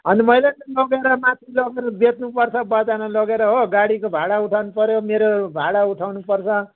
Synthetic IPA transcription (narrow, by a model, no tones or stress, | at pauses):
ɦʌnimʌjletʌlʌɡeɾʌmat̪ʰilʌɡeɾʌbet̪nupʌrt͡sʰʌbʌt͡sanʌlʌɡeɾʌɦoɡaɽikobʱaɽauʈʰawnupʌɾjomeɾobʱaɽauʈʰawnupʌrt͡sʰʌ